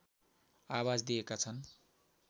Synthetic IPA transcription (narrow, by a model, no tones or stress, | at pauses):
awad͡zd̪ijekat͡sʰʌn